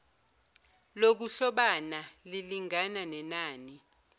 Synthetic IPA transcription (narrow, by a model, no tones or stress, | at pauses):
lok̬uɬɔɓanaliliŋananɛnaːni